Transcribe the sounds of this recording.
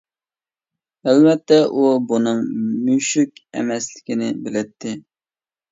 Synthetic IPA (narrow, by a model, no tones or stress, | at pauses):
ælvɛt̪ːɛʔubunɨŋmyʃykʲɛ̰mɛslɪ̥kʲinɪbɪlɪt̪ʰːɪ